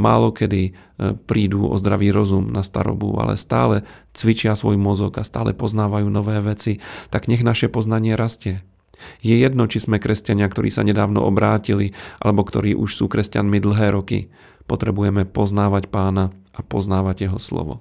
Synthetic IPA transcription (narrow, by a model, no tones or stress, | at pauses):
maːlɔkɛd̪ipɾiːd̪uːɔ̰zd̪ɾaʋiːɾɔzumnʔast̪a̰ɾɔ̰bṵa̰lɛ̰st̪a̰ːlɛt͡sʋit͡ʃɪasʋɔjmɔzɔɡast̪aːlɛ̰pɔznaːʋajuːnɔʋɛːʋɛt͡sit̪aɡɲɛɣnaʃɛpɔznaɲɪɛɾascɛ | jɛjɛd̪nɔt͡ʃizmɛkɾʔɛscaɲɪakt̪ɔɾḭːsa̰ɲɛd̪aːʋnɔ̰ʔɔbɾaːciliʔalɛbɔkt̪ɔɾiːʔuʃsuːkɾɛscanmid̪l̩ɦɛːɾɔkḭ | pɔt̪ɾɛbujɛmɛpɔznaːʋacpaːna | apɔznaːʋaɟjɛɦɔslɔ̰ʋɔ̰